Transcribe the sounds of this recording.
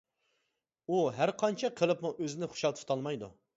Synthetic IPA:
uɦæɾqʰɑnt͡ʃʰɛqʰəlˠɨpmuʔøzɪnɪχʊ̥ʃɑt̪ʰɨ̥t̪ʰɑlˠmɑjd̪ṵ

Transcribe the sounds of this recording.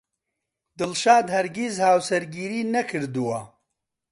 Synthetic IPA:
d̪ɨlʃaːd̪hɐɾɡizhaːwsɐɾɡiːɾiːnɐkʰɨɾd̪uwɐ

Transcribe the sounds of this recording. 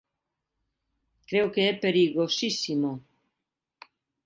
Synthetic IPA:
kɾeokeɛpeɾiɣosisimo

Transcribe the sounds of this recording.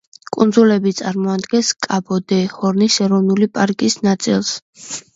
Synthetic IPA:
kʼund̪zulɛbit̪sʼaɾmɔad̪ɡɛnskʼabɔd̪ɛhɔɾnisɛɾɔvnulipʼaɾkʼisnat̪sʼḭlˠs

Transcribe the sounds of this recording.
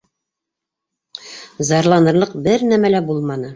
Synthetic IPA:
zɑɾlˠɑnɤ̆ɾlˠɤqbɘɾnæmælæbulˠmɑnɤ

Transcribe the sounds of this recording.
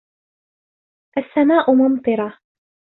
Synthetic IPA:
ʔasːamaːʔʊmɑnt̪ˤɨɾˤɑ

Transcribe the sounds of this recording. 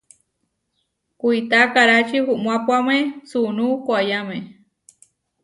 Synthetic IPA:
kuit̪akaɾat͡ʃihuʔmũapuamesunukʷajame

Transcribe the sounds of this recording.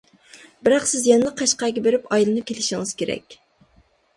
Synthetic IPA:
bɪɾɑqsɪzjɛnɨlˠəqʰːɑʃqɑjɡʲɛbeɾɪpɑjilˠɨnɨkʲʰelɪʃiŋɪz̥kʲeɾɛ̰kʲ

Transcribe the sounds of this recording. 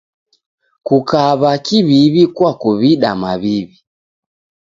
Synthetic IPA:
kukaβakiβiβikwakuβiɗamaβiβi

